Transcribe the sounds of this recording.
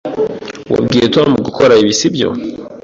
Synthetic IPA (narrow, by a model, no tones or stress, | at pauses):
wa̰b̚ɡiːjetwamuɡukʰoɾaiβisibjo̰